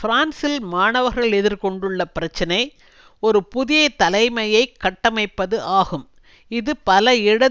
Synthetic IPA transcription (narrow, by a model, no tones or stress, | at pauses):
fɪɾaːnsɪlmaːɳɐʋɐɾɣɐɭɛðɪɾkɔɳɖɯɭːɐpɪɾɐt͡ʃːɐnɐɪ | ɔɾɯpʊðɪjɐt̪ɐlɐɪmɐjɐɪkːɐʈːɐmɐɪpːɐðɯʔaːɣɯm | ɪðɯpɐlɐɪɽɐ